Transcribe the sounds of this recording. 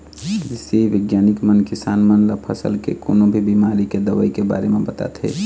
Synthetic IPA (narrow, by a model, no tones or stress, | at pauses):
seʋɪɡjaːnɪkmənkɪsaːnmənləpʰəsə̰lkḛko̰ːnobʱibiːmaːɾiked̪əʋə̰ikeba̰ːɾemẽbət̪a̰t̪ɦḛː